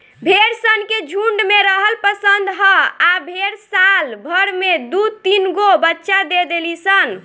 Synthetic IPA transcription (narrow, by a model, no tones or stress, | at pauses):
bʱeɾsənked͡ʒʱuɳɖmeɾəɦəlpəsənd̪ɦəabʱeɾsalbʱəɾmed̪ut̪inɡobətːʃad̪ed̪elisən